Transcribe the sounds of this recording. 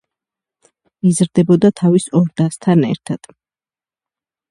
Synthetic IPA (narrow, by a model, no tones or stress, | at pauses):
izɾd̪ɛbɔd̪at̪ʰavisɔɾd̪ast̪ʰanɛ̰ɾt̪ʰad̪̥